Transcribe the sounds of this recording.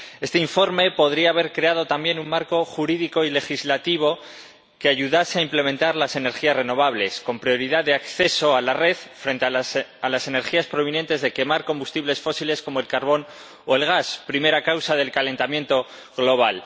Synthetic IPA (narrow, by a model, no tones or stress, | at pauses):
e̞st̪eiɱfo̞ɾme̞po̞ð̞ɾiaːβ̞e̞ɾkɾe̞aðo̞t̪ambje̞nummaɾko̞xuɾiðiko̞ile̞xizlat̪iβ̞o̞ | ke̞aʝuðaseaimple̞ment̪aɾlase̞ne̞ɾxiazreno̞β̞aβle̞sko̞mpɾjo̞ɾiðaððe̞akθe̞so̞alare̞θfɾe̞nt̪eaalase̞ne̞ɾxiaspɾo̞β̞inje̞nt̪e̞zðe̞ke̞maɾko̞mbust̪iβle̞sfo̞sile̞sko̞mo̞e̞lkaɾβo̞n | oe̞lɣ̞aspɾime̞ɾakawsaðe̞lkale̞nt̪amje̞nt̪o̞ | ɣlo̞β̞al